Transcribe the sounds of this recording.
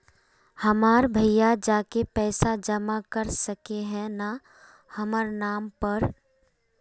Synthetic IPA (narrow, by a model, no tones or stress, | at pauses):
hɐmaːɾbʱəjjad͡ʒaːkepɛːsad͡ʒɐmakɐɾsəkeɦɛ̃na | hɐməɾnaːmpɐɾ